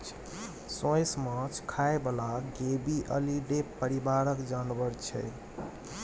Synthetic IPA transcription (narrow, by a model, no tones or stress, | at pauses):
sõjsmə̃t͡ʃʰkʰaebelaɡebiʔə̰liɖepəɾibaɾəkd͡ʒanbəɾt͡ʃʰɛ̰